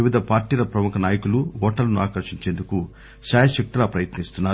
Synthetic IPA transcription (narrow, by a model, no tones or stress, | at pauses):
iʋid̪ɐpaːɾʈiːlɐpɾɐmukɐnaːjɐkuluʋɔːʈɐlɐnuaːkɐɾʂiɲt͡ʃe̞ːnd̪uku | ʃaːjɐʃɐk̚t̪ilaːpɾɐjɐt̪nist̪unːaːɾ